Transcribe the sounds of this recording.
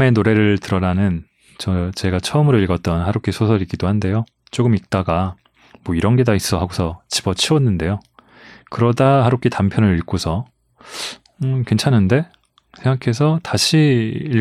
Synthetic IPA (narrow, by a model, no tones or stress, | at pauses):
me̞noɾe̞ɾɯɭtɯɾʌɾanɯn | t͡ɕʌt͡ɕe̞ɡat͡ɕʰʌɯmɯɾoiɭɡʌt̚t͈ʌnhaɾokʰisʰosʰʌɾik͈ːidohande̞jo | t͡ɕ͈oɡɯmik̚t͈aɡa | mwʌiɾʌnɡe̞dais͈ʌɦaɡosʰʌt͡ɕi̥b̥ʌt͡ɕʰiwʌnːɯnde̞jo | kɯɾʌdaɦaɾok͈ʰitampʰjʌnɯɾiɭk͈osʰʌ | ʌkwe̞nt͡ɕʰanːɯnde̞ | sʰeŋɡakʰe̞sʰʌtaɕʰiː